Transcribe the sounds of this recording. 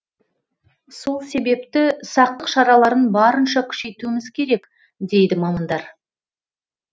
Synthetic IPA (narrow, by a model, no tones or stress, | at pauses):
so̞lˠse̞be̞pt̪ɪsɑq̚t̪əqʃɑɾɑlˠɑɾənbɑɾənʃɑkʲʰʏ̥ʃe̞jt̪uɪmɪzkʲʰe̞ɾe̞k | d̪e̞jd̪ɪmɑmɑnd̪ɑɾ